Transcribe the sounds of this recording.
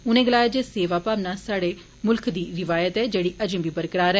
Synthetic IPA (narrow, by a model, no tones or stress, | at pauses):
ʊnẽːɡəlaːjaːd͡ʒeːseːʋaːpaːʋnaːsaːɽeː | mʊlkʰd̪iːɾɪʋaːjət̪ɛːd͡ʒeːɽiːʔəd͡ʒẽːʋiːbəɾkəɽaːɾɛː